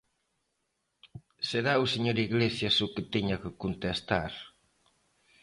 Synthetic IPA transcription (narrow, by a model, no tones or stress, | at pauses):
seɾauseɲoɾiɣlesjasuket̪eɲakekunt̪est̪a̰ɾ